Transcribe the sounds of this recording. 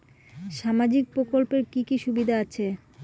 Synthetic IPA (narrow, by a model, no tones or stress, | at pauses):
ʃamad͡ʑik̚pɾokolpeɾkikiʃubid̪ʱaat͡ɕʰe